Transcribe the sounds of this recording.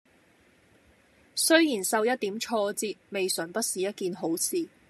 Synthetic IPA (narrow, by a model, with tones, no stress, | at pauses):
sɵ˥ɥjiː˨˩nsɐ˨˧wjɐ˥t̚t̪iː˨˥mt͡ʃʰɔː˧t͡siː˧t̚me˨jsœː˨˩ŋpɐ˥t̚siː˨jɐ˥t̚kiː˨nɦo˨˥wt͡sʰiː˨˧